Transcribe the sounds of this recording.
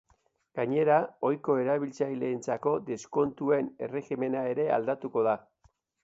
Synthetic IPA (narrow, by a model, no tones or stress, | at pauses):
ɡ̥aɲe̞ɾao̞jko̞e̞ɾaβ̞ilt͡sajle̞ːnt͡sako̞d̪e̞sko̞nt̪ue̞ne̞re̞xime̞nae̞ɾe̞a̰ld̪at̪uko̞ða